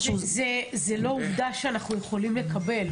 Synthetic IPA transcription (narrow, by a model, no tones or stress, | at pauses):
zezelo̞uvd̪aʃeanaχnuje̞χo̞limle̞kabe̞l